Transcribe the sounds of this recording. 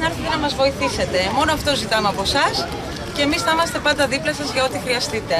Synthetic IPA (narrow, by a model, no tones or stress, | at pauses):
nɐɾçit̪enɐmɐzvo̞iθise̞t̪e̞mo̞noɐft̪o̞zit̪ɐmeɐpo̞sɐs | ce̞ːmisθɐmɐst̪e̞pɐnd̪ɐðiplɐsɐzʝɐo̞t̪ixɾiɐst̪it̪e̞